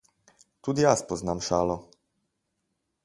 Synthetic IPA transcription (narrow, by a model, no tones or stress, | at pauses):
t̪ud̪jaːspɔznaːmʃaːlɔ